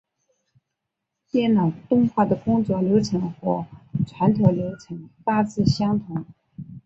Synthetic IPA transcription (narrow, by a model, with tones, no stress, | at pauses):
t̪jɛ˥˩nɑ˨˩ʊt̪ʊ˥ŋxwa˥˩d̪ə˩kʊ˥ŋt͡swɔ˥˩ljo˧˥ʊʈ͡ʂʰɤ˧˥ŋxwɔ˥˩ʈ͡ʂʰwa˧˥nt̪ʰo˧˥ʊljo˧˥ʊʈ͡ʂʰɤ˧˥ŋfa˥t͡sɹ̩˥˩ɕjɑ˥ŋt̪ʰʊ˧˥ŋ